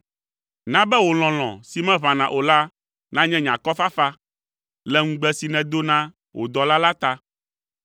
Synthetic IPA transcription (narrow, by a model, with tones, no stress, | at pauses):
nã˦bɛ˦wo˨l̃ɔ̃˨l̃ɔ̰̃˨si˨mɛ̃˦βã˨nã˨ʔo˨la˦ | nã˦ɲɛ̃˦ɲã˨kɔ˦fa˦fa˦ | lɛ˦ŋũ˦ɡ͡bɛ˦si˨nɛ̃˨d̪o˦nã˦ | wo̰˨d̪ɔ˨la˦la˦t̪a˦